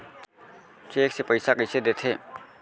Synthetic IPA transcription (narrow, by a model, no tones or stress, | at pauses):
t͡ʃeksepəjsakəjsed̪et̪ʰe